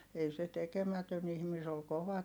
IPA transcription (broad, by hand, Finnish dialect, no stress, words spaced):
ei se tekemætøn ihmi se ol koʋɑ